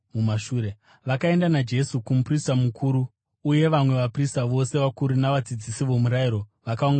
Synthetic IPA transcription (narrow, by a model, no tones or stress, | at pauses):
mumaʃuːɾe | ʋakae̞ndanad͡ʒe̞sukumupristamukʰuɾuː | je̞ʋamwe̞ʋapristaʋo̞se̞ʋakuɾunaʋad͡zid͡zisiʋo̞muɾajiɾo̞ʋakauŋɡa